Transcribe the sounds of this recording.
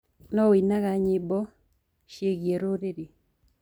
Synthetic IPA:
nɔwinaɡaɲɪbɔ | ʃjeɡjeɾoɾeɾi

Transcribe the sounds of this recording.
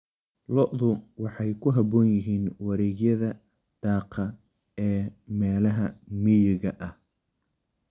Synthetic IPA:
lɔʔðʊwɑħɑjkʰʊɦɐbɔːnjɪɦiːnwɑɾɛːɣjɐðɐ | d̪̥ɑːqʰɐ | ɛːmɛːlɐɦɐmɪjɪɣɐʔɐh

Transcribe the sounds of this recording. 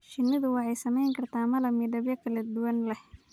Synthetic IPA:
ʃɪnːɪðʊwɑħɑjsɐmɛjŋkʰɐrt̪ʰaːmɐlɐmidɐbjɐkʰɐlɐd̪ʊwɐnlɛh

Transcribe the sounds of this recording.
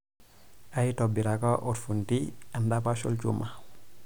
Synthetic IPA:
ajitobiɾakaʔoɾfuntiandapaso̰lt͡ʃṵma

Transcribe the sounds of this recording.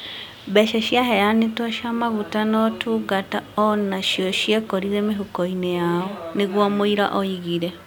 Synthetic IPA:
βɛʃɛʃjaɦɛjanetɔʃamaβutanɔtʰuɡataɔnaʃjoʃiekoɾiɾɛmeɦukoinejaoneɣwɔmoiɾa̰ʔoiɣiɾe

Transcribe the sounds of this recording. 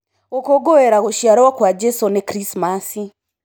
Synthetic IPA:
okoɡoeɾaɣoʃjaɾowakwad͡ʒesonekɾismasi

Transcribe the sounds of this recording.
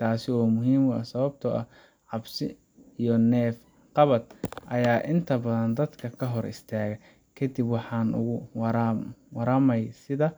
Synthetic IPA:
t̪ʰaːsɪɔːmʊɦiːmʊɐ̰sɐβɐb̚t̪ʰɔʔɐ | ʕɑbsɪ | ijɔnɛːf | qɑβɐd̪ʔɐjaːʔɪnt̪ʰɐbɐðɐnd̪ɐd̪kʰɐkʰɐɦɔɾɪ̰st̪ʰaːɣɐ | kʰɐd̪ibwɑħɑːnʊ̰ɣʊwɾwɐɾɐmɐjsɪðɐ

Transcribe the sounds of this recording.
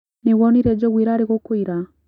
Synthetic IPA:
neɣwɔniɾɛd͡ʒɔɣwiɾaːɾeɣokoiɾa

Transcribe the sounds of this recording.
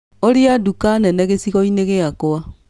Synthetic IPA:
oɾiadukanɛnɛɣesiɣɔineɣeakoa

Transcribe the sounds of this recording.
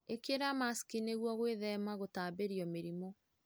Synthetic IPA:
ekeɾamaskineɣwɔɣweðɛmaɣotaːbeɾiɔmeɾimɔ

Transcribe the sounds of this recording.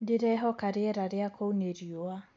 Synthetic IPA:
dɪɾɛɦɔkaɾeɛɾaɾeakʰouneɾioa

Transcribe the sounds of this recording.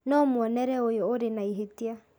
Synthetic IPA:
nɔmwɔnɛɾɛojɔoɾenaiɦetia

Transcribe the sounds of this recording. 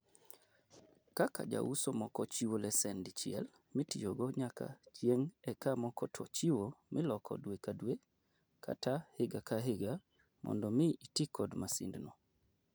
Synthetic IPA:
kaka̰d͡ʒa̰usomɔkɔt͡ʃiwolɛsɛndit͡ʃɪɛ̰l | mɪtijoɡɔɲakʰa̰t͡ʃjeŋɛkamɔkɔtʰɔ̰t͡ʃiwomʔɪlɔkʰɔ̰dwekadwe | kʰa̰tahɪɡakaɦɪɡa | mʔɔ̰ndɔmɪitikɔdmasḭndnɔ

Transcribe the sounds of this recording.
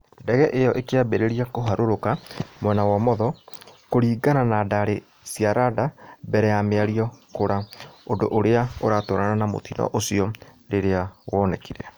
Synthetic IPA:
ndɛɣɛʔejɔʔekeabeɾeɾiakoɦaɾoɾokamwɛnawamɔðɔkoɾiːɡananadaɾe | siaɾadabɛɾɛjameaɾiɔkoɾaondoʔoɾeaoɾatoːɾananamo̰tinɔ̰ʔosiɔ | ɾeɾeaɣɔːnɛkiɾɛ

